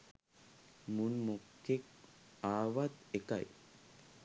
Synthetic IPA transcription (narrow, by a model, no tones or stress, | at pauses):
munmokːek | aːʋat̪eka̰j